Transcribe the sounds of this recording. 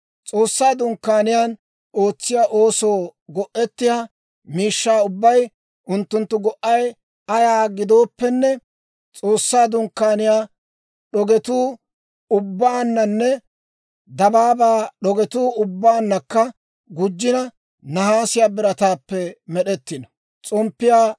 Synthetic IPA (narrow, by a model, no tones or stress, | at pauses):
t͡sʼo̞ːsːaːd̪ʊŋkːaːnɪjaːn | o̞ːt͡sːɪjaʔo̞ːso̞ːɡɔʔːɛt̪ːɪja | miːʃːaːʊbːɐj | ʔʊnt̪ːʊnt̪ːʊɡɔʔɐj | ɐjaːɡɪd̪o̞ːpːɛnːɛ | t͡sʼo̞ːsːaːd̪ʊŋkːaːnɪjaː | ɗɔɡɛt̪uː | ʊbːaːnːɐnːɛ | d̪ɐbaːbaːɗɔɡɛt̪uːʊbːaːnːɐkːɐ | ɡʊd͡ʒːɪnɐ | nɐhaːsɪjaːbɪɾɐt̪aːpːɛmɛɗɛt̪ːɪnɔ̥ | t͡sʼɔmpːɪjaː